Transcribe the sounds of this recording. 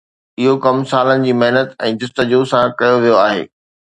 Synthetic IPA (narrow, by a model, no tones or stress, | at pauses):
ɪɦokɐmsaːlənɪ̆d͡ʑiːmɐɦnət̪ɛ̃ːd̪ʊst̪əd͡ʑusãkɐjoʋijoaːɦḛː